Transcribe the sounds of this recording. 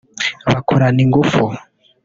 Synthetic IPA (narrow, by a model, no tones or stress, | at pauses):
βakʰuɾaniŋɡufu